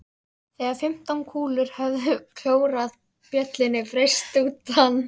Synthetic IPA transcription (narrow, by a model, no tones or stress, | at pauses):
θɛːɣaɾfɪm̥t̪awnkʰuːlʏɾ̥hœvðʏkʰl̥oːwɾað | pjɛt̪lɪnɪfɾejst̪uːt̪anː